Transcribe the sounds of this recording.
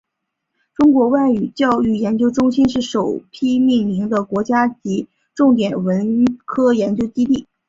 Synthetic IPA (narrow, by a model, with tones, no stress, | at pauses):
ʈ͡ʂʊ˥ŋkwɔ˧˥wa˥˩ɪy˨˩t͡ɕjɑ˥˧ʊy˥˩jɛ˧˥nt͡ɕjo˥ʊʈ͡ʂʊ˥ŋɕi˥nʂɻ̩˥˩ʂo˨˩ʊpʰi˥mi˥˩nli˧˥ŋd̪ə˧kwɔ˧˥t͡ɕja˥t͡ɕi˧˥ | ʈ͡ʂʊ˥˩ŋt̪̬jɛ˨˩nwə˧˥nkʰɤ˥jɛ˧˥nt͡ɕjo˥ʊt͡ɕi˥t̪i˥˩